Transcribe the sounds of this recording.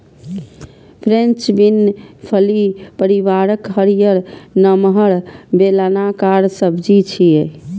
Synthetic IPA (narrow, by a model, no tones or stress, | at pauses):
pʰɾent͡ʃbinpʰəlipəɾiʋaɾəkɦəɾijəɾnəmɦəɾbelanakaɾsəbʱd͡ʒit͡ʃʰie